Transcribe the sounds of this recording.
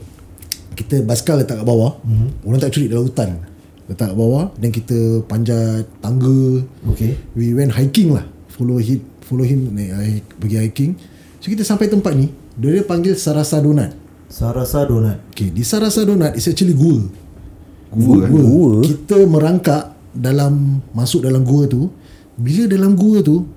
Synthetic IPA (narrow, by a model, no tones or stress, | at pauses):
kit̪əbaskalət̪aʔkaʔbawauɾant̪aʔt͡ʃuɾiʔ̚dalaut̪an | ət̪akaʔbawadankit̪əpaɲd͡ʒat̪aŋɡəokewiwɛ̃nʔɦajkɪŋla̰h | foloɦim | foloɦimnaabəɡihajkiŋ | sokit̪əsampajt̪əmpat̪̚ni | dodəpaŋɡɪlsaɾasadonat̪̚ | saɾasadonat̪̚okedisaɾasadonãt̪̚ispɛt͡ʃəliɡuə | ɡuɡuəkit̪əmə̃ɾaŋkaʔ | dalamːasʊʔ̚dalamɡuət̪u | bilədalamɡuət̪u